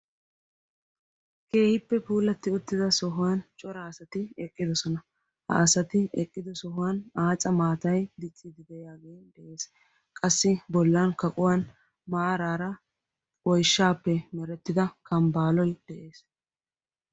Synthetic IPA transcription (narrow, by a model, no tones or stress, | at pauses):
ke̞ːhɪpːɛpuːlɐt̪ːɪʊt̪ːɪd̪ɐsɔɦʊwant͡ʃʼɔɾɐːsɐt̪ɪɛkʼːɪd̪ɔsɔnɐ | hɐ̰ʔːsɐt̪ɪɛkʼːɪd̪ɔsɔɦʊwanaːt͡sʼɐmaːt̪ɐjd̪ɪt͡sʼːɪd̪ɪd̪ɛjaːɡe̞ːnd̪ɛʔe̞ːs | kʼɐsːɪbɔlːɐnkɐkʼʊwan | maːɾaːɾɐ | wɔjʃːaːpːɛmɛɾɛt̪ːɪd̪ɐkʰɐmbaːlɔjd̪̥ɛʔe̞ːs